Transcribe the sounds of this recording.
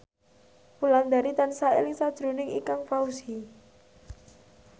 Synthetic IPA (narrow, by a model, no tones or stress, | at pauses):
puland̪aɾit̪ansaḛlɪŋsad̥ʒ̥ɾṳnɪŋḭkaŋfausi